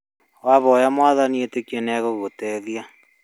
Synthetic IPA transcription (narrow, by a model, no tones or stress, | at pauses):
waβɔjamwaðanietekjenɛɣoɣotɛðja